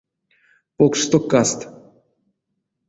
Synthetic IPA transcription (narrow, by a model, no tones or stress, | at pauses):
pokʂt̪okast̪